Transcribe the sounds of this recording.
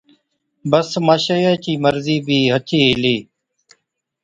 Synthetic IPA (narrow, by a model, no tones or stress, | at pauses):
bəsmaːʃəjaːt͡ʃiːməɾziːbʱiːɦət͡ʃiːɦɪliː